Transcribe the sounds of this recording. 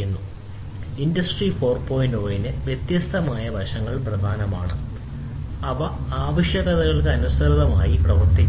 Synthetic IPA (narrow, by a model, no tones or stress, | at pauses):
unːu | indɐsʈrifo̞ːrpoːjindo̞ːjinɨʋjet̪jɐst̪ʰɐmaːjɐbʱɐʂɐŋːɐɭprɐd̪ʱaːnɐma̰ːɳɨ | ɐʋɐaːʋɐɕjɐɣɐðɐɣɐɭkɨɐnust̪ɐɾɐðɐmaːjiprɐʋɐrt̪ikː